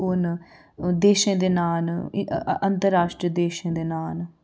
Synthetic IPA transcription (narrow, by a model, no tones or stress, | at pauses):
ʊn | d̪eːʃẽːd̪eːnaːl | ənt̪əɾaːʃʈɾiəd̪eːʃẽːd̪eːnaːl